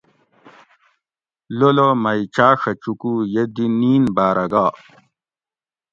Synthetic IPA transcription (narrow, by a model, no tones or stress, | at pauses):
lolomɐjt͡ɕaːʂɐt͡ɕukujed̪iniːnbaːɾɐɡaː